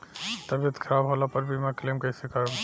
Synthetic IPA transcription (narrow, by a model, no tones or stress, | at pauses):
t̪əbjet̪kʰəɾabɦolapəɾbʱimaklemkəisika